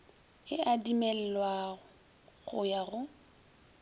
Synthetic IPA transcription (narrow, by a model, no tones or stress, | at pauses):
ɪadimɛlɛlwaʊ | ɣʊjaɣʊ